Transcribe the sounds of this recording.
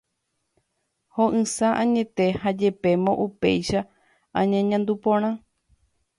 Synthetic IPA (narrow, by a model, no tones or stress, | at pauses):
hõʔɨ̃saʔãɲẽ̞t̪e̞had͡ʒe̞pe̞mõ̞ʔupe̞̰jʃa | ãɲãɲãnd̪upõɾ̃ã